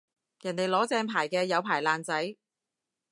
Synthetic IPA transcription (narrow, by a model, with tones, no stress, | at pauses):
jɐ˨˩nt̪e˨˩jlɔː˨˥t͡sɛː˧ŋpʰaː˨˩jkɛː˧jɐ˨˧wpʰaː˨˩jlaː˨˧nt͡sɐ˨˥j